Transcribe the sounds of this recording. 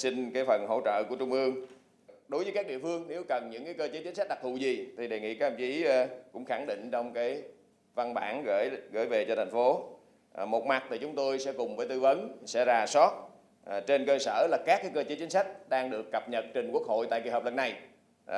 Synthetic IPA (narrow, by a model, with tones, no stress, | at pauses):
si˧ŋkaː˨˦jfə˨˩nɦo̰˧˥t͡ɕə̰ː˧˨ku˧˩ət͡ɕʊ˧ŋ͡mʔɨ˧əŋ | ɗo˨˦jvə˨˦kaː˦˥k̚ɗḭ˧˨əfɨ˧əŋne˨˦wkə˨˩nɲɨ̰˧˥ŋkaː˨˦jkəː˧t͡ɕeː˨˦t͡ɕi̟˨˦sa̟˦˥ɗa˨˩t̪ʰṵ˧˨˩zi˨˩t̪ʰi˨˩ɗe˨˩ŋḭ˧˨kaː˦kə˧mt͡ɕi˨˦˧kʊ̰˧˥ŋ͡mxa˧˩ŋɗḭ̈˧˨ŋ̟t͡ɕɔ˧wŋ͡mkaː˨˦j | va˧nɓa̰ː˧˩nɣə̰ː˧˩jɣə̰ː˧˩jve˨˩t͡ɕɔ˧t̪ʰjŋ̟fo˨˦ | mo˨˩t̚ma˨˩t̚t̪ʰi˨˩t͡ɕʊ˨˦ŋ͡mt̪o˧jsɛ̰˧˥kʊ˨˩ŋ͡mvəː˨˦jt̪ɨ˧və˨˦nsɛ̰˧˥zaː˨˩sɔ˦˥t̚ | t͡ɕe˧nkəː˧səː˧˩laː˨˩kaː˦˥k̚ːaː˨˦jkəː˧t͡ɕe˨˦t͡ɕä˨˦ŋ̟sa˦˥jk̟̚ɗaː˧ŋɗɨ˨˩əkːə˨˩p̚ɲə˨˩t̚t͡ɕï˨˩ŋ̟ku˦˥ək̚ho̰˧˨jt̪a̰ː˧˨ki˧˨˩həː˨˩p̚lə˧˩nːa˨˩j